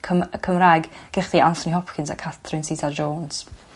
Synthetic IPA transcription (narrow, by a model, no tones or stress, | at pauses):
kʰəmkʰəmrajɡɡ̥ɛχdiʔansɔniɦɔpkʰɪnsa̰kʰaθrɪnsitʰad͡ʒoːns